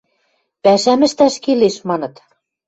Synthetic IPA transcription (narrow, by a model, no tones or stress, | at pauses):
pæʃæmɘ̆ʃt̪æʃkeleʃmɑnɤ̆t̪